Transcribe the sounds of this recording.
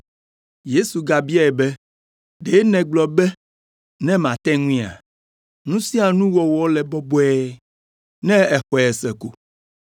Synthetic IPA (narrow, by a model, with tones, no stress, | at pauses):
je˦su˨ɡa˨bi˦a˦ɛ˨bɛ˦ | ɖe˨˦nɛ̃˨ɡ͡blɔ˨bɛ˦ | nɛ̃˦mã˨t̪ɛ̃˦ŋũ˦i˦a̰˨ | nũ˦sĩ˦a˨nũ˦wɔ˨wɔ˦lɛ˨bɔ˦bɔ˦ɛ˦ | nɛ̃˦ɛ˨xɔ˨ɛ˨sɛ˨kṵ˨